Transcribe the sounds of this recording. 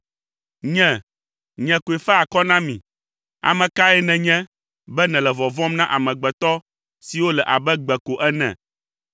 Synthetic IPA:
ɲɛ̃˦˨ | ɲɛ̃˨ko˨ɛ˨fɛ˦a˨kɔ˦nã˦mĩ˨ | a̰˨mɛ̃˨ka˦ɛ˦nɛ̃˨ɲɛ̃˦ | bɛ˦nɛ̃˨lɛ˨vɔ˨vɔ̃˦mnã˦ʔa˨mɛ̃˨ɡ͡bɛ˨t̪ɔ˦ | si˨wo˦lɛ˨ʔa˨bɛ˦ɡ͡bɛ˨ko˨ʔɛ˦nɛ̰̃˨

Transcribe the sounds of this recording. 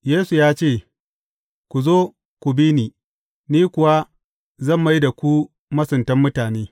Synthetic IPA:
jeː˦su˨jaː˦t͡ʃeː˦˨ | kʷu˨zoː˦ | kʷʊ˨bi˦niː˨ | niː˦kʷʊ˨wa˦ | zɐ˦˨mːa˦jda˨kʷu˦ | mɐ˦sʊ˨ntɐ˦mːʊ˦taː˨neː˦

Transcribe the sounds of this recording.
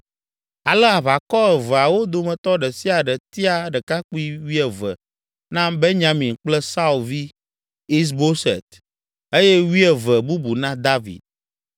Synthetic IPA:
a˨lə˦a˨βa˨kɔ˦ɛ˨və˨a˨wo˦d̪o˨mɛ̃˨t̪ɔ˦ɖə˨si˦a˨ɖə˨t̪i˦a˨ɖə˨ka˦k͡pu˦i˦wi˦ɛ˨və̰˨ | nã˦be˦ɲã˨mĩ˨ŋk͡plɛ˦sa˦u˨lvi˦ | i˦s̬bo˦sḛ˨t̪ | e˦je˦wi˦ɛ˨və˨bu˦bu˨nã˦d̪a˦vḭ˨d̪̚

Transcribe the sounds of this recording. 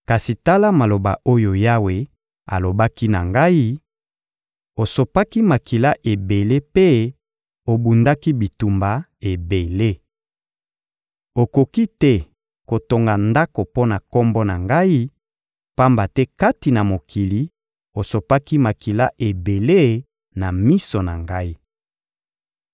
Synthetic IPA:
ka˨si˨ta˦la˦ma˨lo˨ba̰˨ʔo˦jo˨ja˦we˨ | a̰˨lo˨ba˦ki˦na̰˨ŋɡa˦i˦ | o˨so˨pa˦ki˦ma˨ki˨la˦ʔe˨be˨le˦pe˦ | o˨bu˨nda˦ki˦bi˨tu˨mba˨e˨be˨le˦ | o˨ko˨ki˦tɛ˦ | ko˨to˨ŋɡa˨nda˦ko˨po˦na˨ko˦mbɔ˦na˨ŋɡa˦i˦ | pa˦mba˨tɛ˦ka˦ti˨na˨mo˨kʰi˨li˨ | o˨so˨pa˦ki˦ma˨ki˨la˦ʔe˨be˨le˦ | na˨mi˦so˨na̰˨ŋɡa˦i˦

